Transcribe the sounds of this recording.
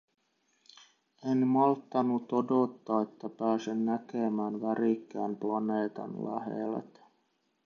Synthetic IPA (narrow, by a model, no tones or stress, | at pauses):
enmɑlt̪ːɑnːut̪o̞do̞t̪ːɑːe̞t̪ːæpæːsenːækemæːnʋæɾikːæːmplɑneːt̪ɑ̰nlæ̰ɦḛlḛt̪